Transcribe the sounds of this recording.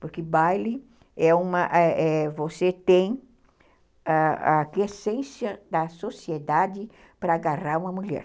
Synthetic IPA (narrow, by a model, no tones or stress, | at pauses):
poɾkɪbajlɪ | ɛũmɐʔɛɛvoset̪ẽj̃ | aa̰kesẽsjɐd̪ɐsosied̪ad͡ʒɪ | pɾɐaɡaraɾũmɐmuʎɛ̰ɾ